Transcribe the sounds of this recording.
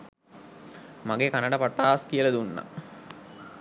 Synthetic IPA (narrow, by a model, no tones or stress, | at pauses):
maɡekanaɖəpaʈːaːskijələd̪unːa̰